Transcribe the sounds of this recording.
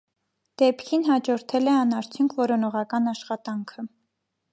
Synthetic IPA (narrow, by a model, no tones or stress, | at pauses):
d̪̥ɛpkʰinɦɑd͡ʒɔɾt̪ʰɛlɛɑnɑɾt͡sʰjuŋkʰvɔɾɔnɔʁɑkɑnɑʃχɑt̪ɑŋkʰə